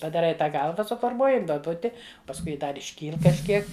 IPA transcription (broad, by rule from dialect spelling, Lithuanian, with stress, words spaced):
pɐdɐˈrɐɪ ˈtɑː ˈɡɐlˠʋɐ sʊfoːrˈmuɔjɪ duɔˈbʊtʲɪ pɐsˈkʊɪ ˈdɐr ɪʃʲˈkʲiːlˠ kɐʃʲˈkʲiɛk